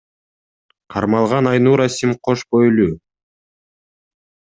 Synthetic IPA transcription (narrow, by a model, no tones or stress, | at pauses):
qʰɑɾmɑlˠʁɑnɑjnuːɾasʲimqʰoʃbojlʲu